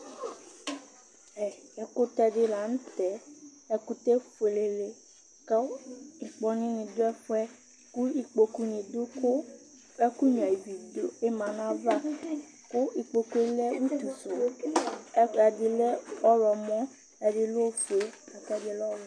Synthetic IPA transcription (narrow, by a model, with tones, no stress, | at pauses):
ɛ˨ɛ˨ko˦t̪ɛ˦ɖɪ˦la˨ñ̩˦t̪ɛ˨ | ɛ˦ku˦t̪e˦fe˨le˨le˨ | ke˦ŋ̩˨k͡pɔ˦nĩ˦ɲĩ˨d̪o˦ɛ˦ɸɛ˦ | ku˦i˨k͡po˨ku˦ɲĩ˨d̪o˦o˦ | ɛ˦ku˦ɲ˨a˨i˨wi˨d̪o˦e˦mã˨nã˦va˦ | ko˦i˨k͡po˨ku˦e˦lɛ˦wu˦t̪u˨so˨˦ | a˨dɪ˨le˦ɔ˦ɾɔ˨mɔ̃˦ | ɛ˨ɖɪ˦lo˦fe˨a˨kɛ˦de˦lɔ˦w